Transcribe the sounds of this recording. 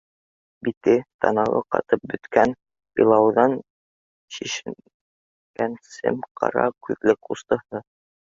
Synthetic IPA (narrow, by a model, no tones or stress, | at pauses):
bit̪ɘt̪ʰɑ̰nɑlˠɤ̰qɑ̰t̪ɤp̚bɵ̆t̪kæn | b̥ḭlˠɑwðɑn | ɕiʃ | kænsɘ̰mqʰɑ̰ɾɑ̰kʉðlɘkust̪ɤ̆hɤ